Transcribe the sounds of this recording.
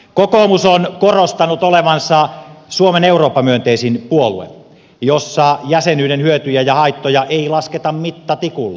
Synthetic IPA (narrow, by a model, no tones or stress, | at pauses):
kokomusonkorost̪ɑnut̪oleʋɑnsɑsuomeneuroːpːɑmyønt̪eisinpuolṵḛn | josːɑjæsenyːɾenhyøt̪yjæjɑhɑit̪ːojɑʔeilɑsket̪ɑmmit̪ːæt̪ikulːɑ̰